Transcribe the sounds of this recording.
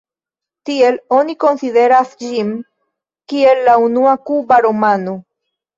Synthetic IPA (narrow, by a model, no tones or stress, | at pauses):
t̪ieloniko̞nsiðe̞ɾasʎim | kie̞lːaunuakubaɾomanu